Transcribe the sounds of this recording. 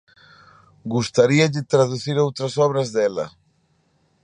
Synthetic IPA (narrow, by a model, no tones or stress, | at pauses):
ɡust̪aɾiɐʎɪt̪ɾaðuθiɾowt̪ɾɐsɔβɾɐzðɛlɐ̰